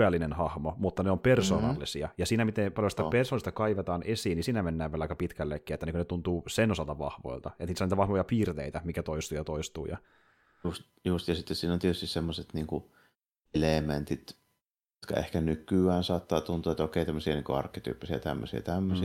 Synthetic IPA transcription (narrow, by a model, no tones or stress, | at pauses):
ælːinenhɑhmomut̪ːɑneompersoːnɑ̰lːisiɑjɑsiːnæmit̪epɑljosi̥t̪æpersoːlist̪ɑkɑiʋet̪ɑːnʔesiːnːisiːnæmenːæːʋielɑikɑpit̪kælːekːiet̪ːæniŋkønet̪unt̪uːsenosɑlt̪ɑʋɑ̰hʋo̰ilt̪ɑʔet̪nisoniːt̪æʋɑhʋojɑpiːrt̪ḛit̪æmikæt̪oist̪ujɑt̪oist̪uːjɑ̰ | ust̪ | just̪jɑsit̪ːessiːnont̪iet̪yst̪issemːoset̪niːŋku | lement̪it̪ | jot̪kɑ̰ḛhkænykˑyæːnsɑːt̪ːɑːt̪unt̪uːɑet̪okeˑit̪æmːøsiɑniːŋkuɑ̰rkːet̪y̰ːpːisiɑ̰t̪æ̰mːø̰siɑ̰t̪æmːøsi